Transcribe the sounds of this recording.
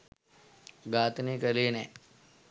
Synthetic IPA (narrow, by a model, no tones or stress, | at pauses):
ɡaːt̪niːkəliːne